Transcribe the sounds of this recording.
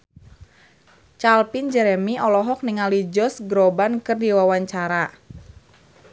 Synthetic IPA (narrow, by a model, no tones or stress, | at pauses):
t͡ʃalpind͡ʒɛɾɛmiʔɔlɔɦɔk̚niŋalid͡ʒɔsɡɾɔbankɨrdiwawaɲt͡ʃaɾa